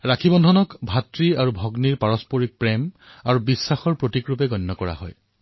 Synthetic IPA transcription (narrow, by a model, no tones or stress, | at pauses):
ɹakʰibɔndʱɔnɔkbʱatɹiaɹubʱɔɡniɹpaɹɔspoɹik̚pɹɛm | aɹubisːaxɔɹpɹotikɹupɛɡɔnːɔkɔɹa̰ɦɔ̰j